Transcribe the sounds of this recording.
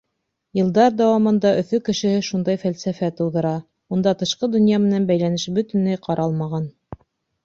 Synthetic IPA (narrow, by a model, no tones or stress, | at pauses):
jɤ̆lˠd̪ɑɾd̪æwɑmɤ̆nd̪ɑʔɵ̆θɵkɘ̆ʃɘ̆hɘʃund̪ɑjfælsæfæt̪ɤ̆wðɤ̆ɾɑ | und̪ɑt̪ɤ̆ʃqɤd̪ɵ̆njɑmɘ̆nænbæjlænɘʃbɵ̆t̪ɘ̆nlæjqʰɑɾʔɑlˠmɑʁɑn